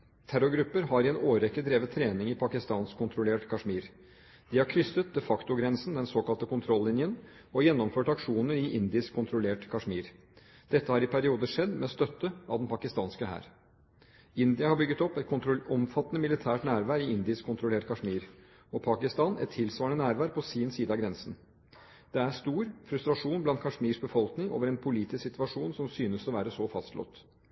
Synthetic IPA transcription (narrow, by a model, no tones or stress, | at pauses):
t̪ʰæɾʊɡɾʉpːəɾhɑɾɪɛnoːɾɛkːəd̪ɾeːʋət̪ʰːɾeːnɪŋɪpʰɑkɪst̪ɑːnskʰʊnt̪ʰɾʊleːʈkʰɑʂmiːɾ | d̪̥ɪhɑɾkʰɾʏsːət̪̚d̪ɛfɑkt̪ʊɡɾɛnsn̩d̪ɛnsoːkɑlt̪əkʊnt̪ʰɾɔlːɪnjən | ɔjɛnːɔmføːʈɑkʂuːnəɾɪʔɪnd̪ɪskʰːʊnt̪ʰɾʊleːʈkʰɑʂmiːɾ | d̪̥ɛt̪ːəhɑɾɪpʰæɾɪuːd̪əʂɛd̪mɛst̪œt̪ːəɑʋd̪ɛnpʰɑkɪst̪ɑːnskəhæ̰ːɾ | ɪnd̪ɪɑhɑbʏɡːət̪ɔpːɛt̪kʰʊt̪ɾʊɔmfɑt̪ːnəmɪlɪt̪ʰæːʈnæːɾʋæːɾɪɪnd̪ɪskʰɔnt̪ɾʊleːʈkʰɑʂmiːɾ | ɔpʰɑkɪst̪ɑːnɛ̰t̪ʰːɪlsʋɑːɳənæːɾʋæːɾpʰɔsiːnsiːd̪əɑɡɾɛnsən̩ | d̪̥ɛæʂt̪uːɾfɾʉst̪ɾɑʂuːnblɑnt̪̚kʰɑʂmiːʂbəfɔlknɪŋʔo̰ːʋəɾɛnpʰʊliːt̪ɪssɪt̪ʋɑʂuːnsɔmsyːnəsɔʋæːɾəsɔfɑst̪lʔɔ̰t̪